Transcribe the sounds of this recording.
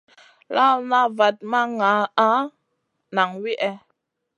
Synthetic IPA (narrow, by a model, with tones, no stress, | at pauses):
la˦lna˦va˨t̚ma˦ŋa˨˦a˦ | na˨ŋwi˦ʔɛ˦